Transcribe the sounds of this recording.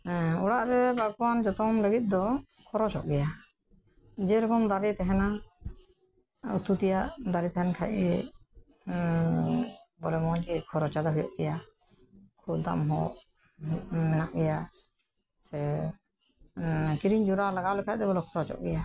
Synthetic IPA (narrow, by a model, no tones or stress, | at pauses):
ɔɽaʔɾɛbaɡ̚and͡ʒɔt̪ɔmləɡit̪̚ˀd̪ɔkʰɔɾɔt͡ʃɔ̰ʔɡɛja | d͡ʒɛɾɔkɔnd̪aɾit̪ɛɦɛna | ṵt̪ut̪ɛjaʔd̪aɾit̪ɛɦɛnkʰajʔ̚ɡɛjɛ | bɔlɛmɔkikʰɔɾɔt͡ʃad̪aɦujɔ̰ʔɡɛja | kʰuld̪a̰mɦɔ̰ʔ | mɛnaʔɡɛja | sɛ | kiɾiɲd͡ʒuɾalaɡawlɛkʰaj̚d̪ɛbɔlɔkʰɔɾɔt͡ʃɔ̰ʔɡɛja